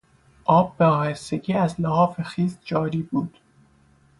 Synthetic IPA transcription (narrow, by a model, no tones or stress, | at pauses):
ʔɒːbːeɒːheseɟiːæzlehɒːfexiːzd͡ʒɒːɾiːbuːd̪̥